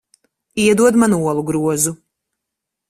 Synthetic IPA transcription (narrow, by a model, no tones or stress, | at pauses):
iɛd̪uɔd̪manuɔlˠuɡɾuɔzu